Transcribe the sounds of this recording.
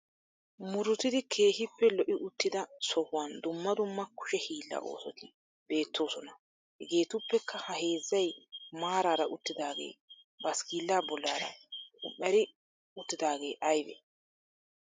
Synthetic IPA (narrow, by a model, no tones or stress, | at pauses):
mʊɾʊt̪ɪd̪ɪkʰe̞ːhɪpːɛlɔʔɪʔʊt̪ːɪd̪ɐsɔhʊwand̪ʊmːɐd̪ʊmːɐkʊ̥ʃɛhiːlːɐ̰ʔo̰ːsɔt̪ɪ | be̞ːt̪ʰːo̞ːsɔnɐ | hɡeːt̪ʊpːɛkʰːɐhɐhe̞ːzːɐjmaːɾaːɾɐʔʊt̪ːɪd̪aːɡḛː | bɐskiːlːaːbɔlːaːɾɐ̰ʊmːɛɐɾɪ | ʊt̪ːɪd̪aːɡe̞̰ːʔɐjbɛ̰